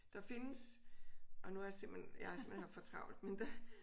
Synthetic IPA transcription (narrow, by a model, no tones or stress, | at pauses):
d̥ɑ̈fe̝nəs | ʔɒ̽nuæɐjɑse̝mb̥enjɑ̈æse̝mb̥enhɑfɒt͡sʰʁɑ̈ʊ̰l̥mend̥ɑ